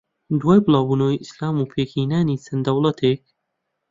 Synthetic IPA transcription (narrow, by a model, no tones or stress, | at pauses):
d̪waːjbɨlˠaːwbuːnoːwiʔislaːmuːpʰeːkʰiːnaːniːt͡sʰɐnd̪ɐwlˠɐt̪ʰeːk̚